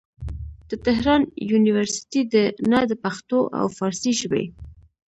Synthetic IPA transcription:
d̪̥ət̪ɪɦɾɑnjunɪwaɾsɪ̥t̪id̪ənad̪əpaxt̪oʔa̰wfɑɾsiʃbḛ

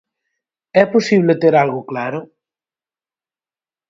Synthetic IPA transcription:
ɛposiβlet̪eɾalɣʊklaɾʊ

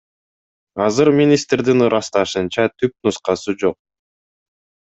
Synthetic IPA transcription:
ɑzɯɾmʲinʲist̪rd̪inɯɾʔɑst̪ɑʃɯnt͡ʃɑt̪ʰyp̚nusqɑsɯd͡ʒo̞q̚

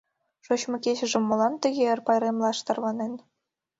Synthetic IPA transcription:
ʂŏɕmʲɘ̆kʲeɕɘ̆ʐɘ̆mːŏlˠɑnt̪ɘ̆ɣʲeɘ̆rʲpɑjɾʲemlˠɑʂt̪ɤ̆rʋɑnenʲ

